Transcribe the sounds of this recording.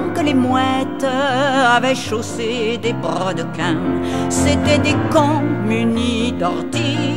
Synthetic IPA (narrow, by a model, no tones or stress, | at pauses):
kəlemwɛt̪avɛʃosed̪epɔd̪əkɛ̃set̪ɛd̪ekɔ̃mynid̪ɔʁt̪i